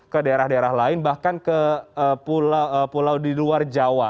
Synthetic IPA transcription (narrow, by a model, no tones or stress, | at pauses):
kədaeɾahdaeɾahlaɪnbahkankəəpulapulawdiluard͡ʒawa